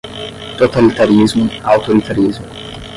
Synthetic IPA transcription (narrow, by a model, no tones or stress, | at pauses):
t̪ɔt̪ɐlt̪ɐɾizmʊawt̪ɔɾit̪ɐɾizmʊ